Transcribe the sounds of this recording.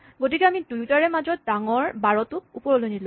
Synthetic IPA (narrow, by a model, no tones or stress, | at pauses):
ɡotikɛamidujtaɹɛmazɔt̚daŋɔɹbaɹɔtʊkupɔɹɔlojnil